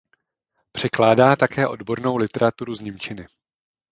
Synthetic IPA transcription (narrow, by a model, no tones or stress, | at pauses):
pr̝̥ɛklaːdaːt̪akɛːʔo̞dbo̞ɾno̞wlɪt̪ɛɾat̪uɾuzɲɪmt͡ʃɪnɪ